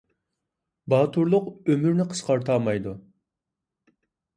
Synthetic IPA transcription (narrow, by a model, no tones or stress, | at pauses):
bɑːt̪ʰuɾlˠʊqømyɾnɪqʰə̥sqɑɾt̪ʰɑːmɑjd̪u